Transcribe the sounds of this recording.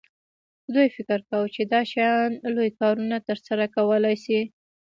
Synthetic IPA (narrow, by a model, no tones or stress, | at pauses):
d̪ujfɪkɪɾkawət͡ʃed̪ɑʃajɑnlojkɑɾunat̪əɾsaɾakawəlajsi